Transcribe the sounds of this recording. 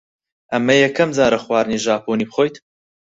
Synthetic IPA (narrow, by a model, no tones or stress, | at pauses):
ʔɐmːɐjɛkːɐmzaːɾɐxwaːɾniʒaːpʰoːniːbχoːjt̪